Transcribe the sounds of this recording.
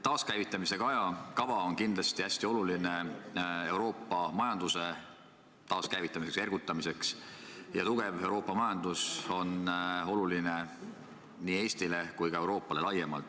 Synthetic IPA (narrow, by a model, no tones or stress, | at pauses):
t̪ɑːskæjvit̪ːˑɑmise̞ɡ̥ɑɑjɑkɑvɑonkind̪lɑst̪iæsʲt̪io̞luline̞e̞wɾo̞ːpːˑɑmɑjɑnd̪̥use̞ | t̪ɑːskæjvit̪ːˑɑmisekse̞rɡ̥ut̪ːˑɑmise̞ksjɑt̪uɡ̥e̞ve̞wɾo̞ːpːˑɑmɑjɑnd̪̥uso̞no̞luline̞ | nie̞ːsʲt̪ile̞kujkɑe̞wɾo̞ːpːˑɑle̞lɑje̞mɑ̰lt̪ːˑ